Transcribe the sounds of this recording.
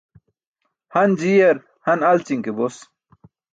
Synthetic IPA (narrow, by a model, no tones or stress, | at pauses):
hɐnd͡ʑijɐɾ | hɐnɐlt͡ɕiŋkebos